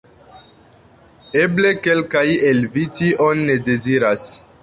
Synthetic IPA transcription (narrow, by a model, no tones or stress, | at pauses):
e̞ble̞ke̞lkaje̞lvitiʔonːe̞de̞ziɾas